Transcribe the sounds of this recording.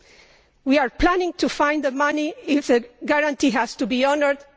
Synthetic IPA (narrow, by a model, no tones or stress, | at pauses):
wiaɹplanɪ̃ŋt̪ʰufãj̃nd̪ðəmaniɪfðəɡaɹãnt̪iɦæst̪ubiɔnəɹd̪